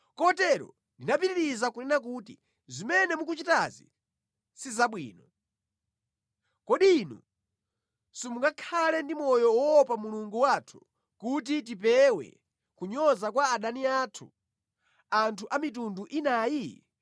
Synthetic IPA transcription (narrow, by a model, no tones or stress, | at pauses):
kɔtɛɾɔ̰ | ndinapiɾiɾizakunɛnak̬utḭ | zimɛnɛmuk̬ut͡ʃitazḭ | sizaɓwḭːnɔ | kɔɗinṵ | sumuŋɡakʰalɛndimɔjɔwɔɔpamuluŋɡuwaːtʰu̥ | kut̬it̬ip̬ɛwɛ̰ | kuɲɔzak̬waːɗaniatʰu | antʰuʔamit̬unduʔinaːji